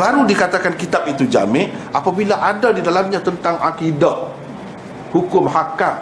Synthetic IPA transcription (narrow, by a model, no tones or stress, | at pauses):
baɾudikat̪akankit̪ap̚it̪ud͡ʒa̰mɪʔapabilaʔadadidalamɲãt̪ənt̪aŋʔakidaʔ | hukʊmɦakam